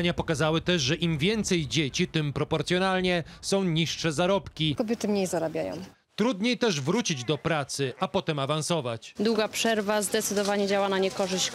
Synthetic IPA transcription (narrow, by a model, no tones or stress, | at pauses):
ɲapɔkazawɘt̪ɛʂʐɛʔimvʲjɛnt̪sɛjd͡ʑet͡ɕit̪ɘmpɾɔpɔɾt̪sʲjɔnalɲɛsɔ̃w̃ɲiʂʂɛzaɾɔpkʲikɔbʲjɛt̪ɘmɲejzaɾabʲjajɔ̰̃w | t̪ɾud̪ɲejt̪ɛʐvɾut͡ɕid͡ʑd̪ɔpɾat̪sɘapɔt̪ɛmavansɔvat͡ɕd̪wuɡapʂɛɾvazd̪ɛt̪sɘd̪ɔvaɲɛd͡ʑawanaɲɛkɔʐɘɕt͡ɕ